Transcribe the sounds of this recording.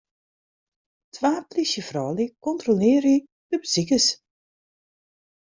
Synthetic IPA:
tʰʋaːplisjəfrɔːlikɔntrolɪːɾi | d̥əbəzikəs

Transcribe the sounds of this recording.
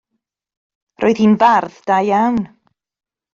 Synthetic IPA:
rʔoːɨð̥hinbarðd̥ajawn

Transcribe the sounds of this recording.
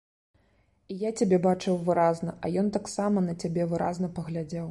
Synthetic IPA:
ijat͡sʲabʲɛbat͡ʂɨwvɨɾaznɐʔɐjɔnt̪aksamɐnɐt͡sʲabʲɛvɨɾʔa̰znɐpɐɣlʲad͡zʲɛw

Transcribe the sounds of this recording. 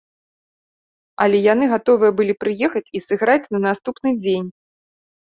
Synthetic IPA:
ɐ̰lʲɛjanɨɣat̪ɔvɨjɐbɨlʲipɾɨjɛxɐt͡sʲisɨɣɾat͡sʲnɐnast̪upnɨd͡zʲenʲ

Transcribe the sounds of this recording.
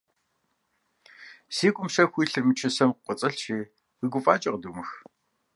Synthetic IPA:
siːɡʷʼʊmʂɐxʷiːɬɨrmɨt͡ʃʰɪsɐmqʷɔt͡sʼɐɬt͡ʃʰeː | wiːɡʷʊfʼaːt͡ʃʼɐqəduːmɨx

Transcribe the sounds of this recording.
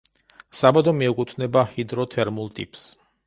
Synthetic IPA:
sabad̪ɔmiɛkʼut̪ʰnɛbahid̪ɾɔt̪ʰɛɾmulˠt̪ʼḭpʼs

